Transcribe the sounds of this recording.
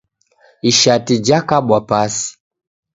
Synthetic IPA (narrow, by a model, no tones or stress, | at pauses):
iʃatid͡ʒakaɓwapasi̥